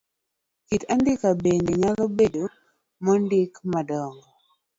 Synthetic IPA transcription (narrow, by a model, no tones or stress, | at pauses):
kitandɪkabendeɲalɔbedo | mɔndɪkmadɔŋɔ